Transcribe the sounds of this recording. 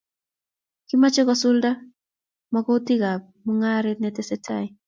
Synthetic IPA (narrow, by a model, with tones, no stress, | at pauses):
ki˦ma˦t͡ʃe˦kɔsu˦lda˦ | mɔ˦kɔ˦o˦ti˦ɡa˨b | mu˦ŋa˦ɾenɛ˨tɛ˦sɛ˦tʰa˨j